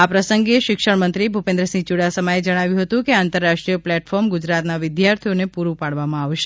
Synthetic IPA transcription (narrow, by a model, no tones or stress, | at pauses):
apɾəsəŋɡeʃɪkʃəɳmənt̪ɾibʱupẽnd̪ɾəsĩt͡ʃuɽasəmaed͡ʒəɽ̃aʋjũɦət̪ũkeant̪əɾːaʃʈɾijəplɛʈfɔɾmɡʊd͡ʒɾat̪naʋɪd̪jaɾt̪ʰijonepuɾũpaɽʋamãaʋʃe̥